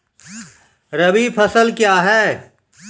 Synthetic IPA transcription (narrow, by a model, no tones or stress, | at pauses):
ɾɐbipʰɐsəlkjaːɦɛː